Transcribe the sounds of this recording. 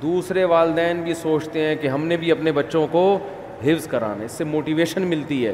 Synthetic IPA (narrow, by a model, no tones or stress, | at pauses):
d̪uːsɾeʋaːld̪ɛːnbʱisoːt͡ʃt̪eɦɛ̃kiɦɐmnebʱiɐpnebɐtːʃõko | ɦɪʋzkɐɾa̰ːnaɪsːemoːʈiʋeːʃənmɪlt̪iɦɛ̰ː